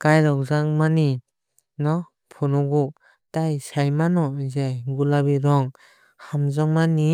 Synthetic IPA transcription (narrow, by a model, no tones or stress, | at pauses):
kajɾɔkzaŋmani | nɔ | pʰɔnɔɡu | tajsajmanɔzajɡulabiɾɔŋ | hamzɔŋmani